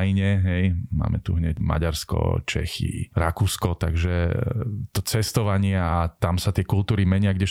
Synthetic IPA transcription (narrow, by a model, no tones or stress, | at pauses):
jɲɛɦɛjma̰ːmɛ̰t̪ṵɦɲɛɟma̰ɟaɾskɔ̰t͡ʃɛ̰xḭɾakuːskɔt̪aɡʒɛ | t̪ɔt͡sɛst̪ɔʋaɲɪɛat̪amsat̪ɪɛkult̪uːɾimɛɲɪaɡɟɛ